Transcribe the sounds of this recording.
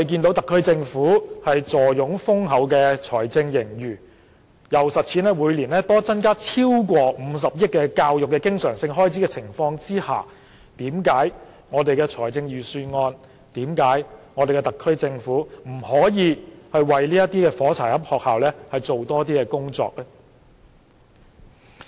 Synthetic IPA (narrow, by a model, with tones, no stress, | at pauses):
e˨˩jk̬iː˧nt̪o˧˥wt̪ɐ˨kʰːɵ˥ɥt͡sɪ˧ŋfuː˨˥hɐ˨jt͡sɔː˨jʊ˨˥ŋfʊ˥ŋɦɐ˨˥wkɛː˧t͡ʃʰɔː˨˩jt͡sɪ˧ŋjɪ˨˩ŋjyː˨˩ | jɐ˨˩wsɐ˨t̚t͡sʰiː˨˥nlɛː˥wuː˨˧jliː˨˩nlɛː˥t̪ɔː˥t͡sɐ˥nkaː˥t͡sʰiː˥wkʷɔː˧m̩˨˧s̬ɐ˨p̚jɪ˥t̚kːɛː˧kaː˧wjʊ˨˩kːɛ˧kɪ˥ŋsœː˨˩ŋsɪ˧ŋɦɔː˥jt͡sʰiː˨˥kɛː˧t͡sʰɪ˨˩ŋfɔː˧ŋt͡siː˥haː˨˩ | t̪iː˨˥mkaː˨˥j | ŋɔː˨˧t̪e˨jkɛː˧t͡sʰɔː˨˩jt͡sɪ˧ŋjyː˨syː˧ŋɔː˧n | t̪iː˨˥mkaː˨˥jŋɔː˨˧t̪e˨jkɛ˧t̪ɐ˨kʰːɵ˥ɥt͡sɪ˧ŋfuː˨˥m̩˨˩hɔː˨˥jiː˨˧hɐ˨˧jwɐ˨jliː˥jɐ˥t̪iː˥kɛː˧fɔː˨˥t͡sʰaː˨˩hɐ˥p̚hɔː˨k̚haː˨wlɛː˥hɐ˨jt͡so˨wt̪ɔː˥t̪iː˥kɛː˧kʊ˥ŋt͡sɔ̰ː˨˧k̚lɛ˥